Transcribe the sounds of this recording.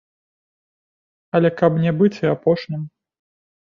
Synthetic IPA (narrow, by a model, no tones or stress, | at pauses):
ɐlʲɛkɐpnʲɛbɨt͡sʲiapɔʂnʲim